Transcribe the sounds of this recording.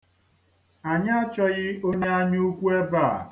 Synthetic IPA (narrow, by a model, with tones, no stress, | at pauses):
a˨ɲa˦t͡ʃɔ˦ɣɪ˦o˦ɲe˦a˦ɲ˦u˦kʷu˦e˦ba˦˨